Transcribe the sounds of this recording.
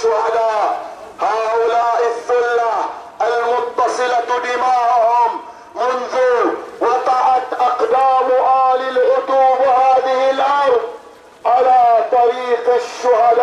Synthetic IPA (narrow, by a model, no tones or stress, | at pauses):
ʊhad̪aːʔ | haːʔʊlaːʔɪθːʊlːa | ʔalmʊt̪ˤːɑsˤɨlad̪ɪmaːʔʊhʊmː | ʊnðʊwɑt̪ˤɑʔɑt̪ʔɑqd̪aːmʊʔaːlɪlʔʊt̪uːbhaːðɪhɪlʔɑɾˤðˤ | ʕalaːt̪ˤɑɾiːqaʃːʊhad̪aː